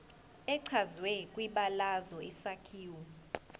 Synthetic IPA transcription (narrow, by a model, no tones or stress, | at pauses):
ɛǀʰazwɛkʼwiɓalazɔisakʰiːwɔ